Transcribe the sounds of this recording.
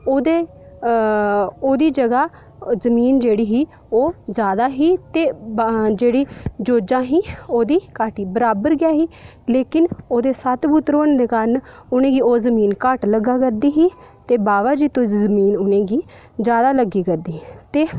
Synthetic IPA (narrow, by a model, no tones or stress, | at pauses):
oːd̪eː | oːd̪iːd͡ʒəɡaː | zəmiːnd͡ʒeːɽiːɦiː | oːzjaːd̪aːɦiːt̪eːd͡ʒeːɽiːd͡ʒoːd͡ʒãːɦiːoːd̪iːkaːʈiːbəɾaːbəɾɡɪjaːɦiː | leːkɪnoːd̪eːsət̪bʊt̪ɾoːnːd̪eːkaɾn | ʊnẽːɡiːoːzəmiːnkəʈləɡːaːkəɾd̪iːɦiː | t̪eːbaːʋaːd͡ʒiːt̪õːzəmiːnʊnẽːɡiː | zjaːd̪aːləɡːiːkəɾd̪iːit̪eː